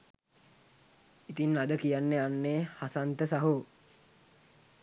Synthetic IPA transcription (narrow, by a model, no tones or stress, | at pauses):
it̪inːadəkijanːeanːeːhasant̪əsaɦu